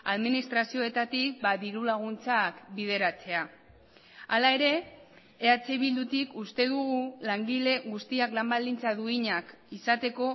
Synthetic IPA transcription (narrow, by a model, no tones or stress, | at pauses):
aðminist̪ɾasio̞e̞t̪at̪ik̚baðiɾulaɣ̞unt͡sakbið̞e̞ɾat͡se̞a | alae̞ɾe̞ː | at͡seβild̪ut̪ikust̪e̞ðuɣulaŋɡile̞ɣust̪iaklambald̪int͡saðuiɲakisat̪e̞ko̞